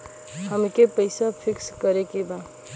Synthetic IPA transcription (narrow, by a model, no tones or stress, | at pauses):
həmkepəɪsapʰikskəɾekeba